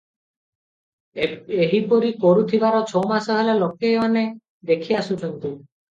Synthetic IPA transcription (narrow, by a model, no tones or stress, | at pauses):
eɦipɔɾikoɾut̪ʰibaɾɔt͡ʃʰowmasɔɦelalokeeane | d̪ekʰiasut̪ʰɔnt̪i